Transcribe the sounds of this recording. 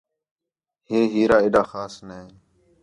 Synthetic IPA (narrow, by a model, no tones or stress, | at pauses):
heːɦiːɾaːeːɗaːxaːsne